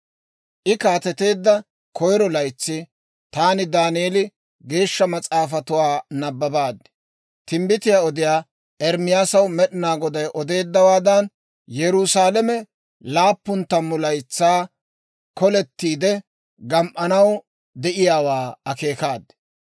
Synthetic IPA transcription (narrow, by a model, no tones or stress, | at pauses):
ʔɪkaːt̪ɛt̪e̞ːd̪ːɐ | kʰɔjɾɔlɐjt͡sːɪ | t̪aːnɪd̪aːnɪelɪ | ɡe̞ːʃːɐmɐt͡sʼaːfɐt̪ʊwaːnɐbːɐbaːd̪ːɛ̥ | t̪ɪmbɪt̪ɪjaːɔd̪ɪjaː | ʔɛɾmɪjaːsɐwmɛɗɪnaːɡɔd̪ɐjʔɔd̪e̞ːd̪ːɐwaːd̪ɐn | jɛɾusaːlɛmɛ | laːpːʊnt̪ːɐmːʊlɐjt͡sːaː | kɔlɛt̪ːiːd̪ɛ | ɡɐmʔɐnɐw | d̪ɛʔɪjaːwaːɐke̞ːkaːd̪ɛ̥